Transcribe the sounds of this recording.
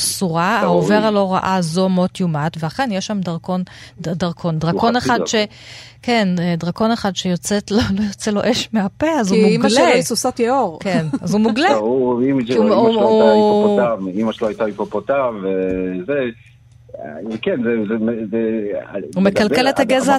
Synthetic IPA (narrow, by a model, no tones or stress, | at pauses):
suʁahaove̞ʁalo̞ʁaʔazomo̞tjumat̪veaχe̞njeʃːamdaʁkondaʁkʰo̞ndʁako̞neχadʃekendʁako̞neχad̪ʃejot͡setlolojot͡selo̞̰ʔeʃmeapeazumumlesusotjeoʁkenazumuɡleuimʃ | aimaʃeloajtaipopot̪avveze | kenzezemze | humekalkelethaɡeza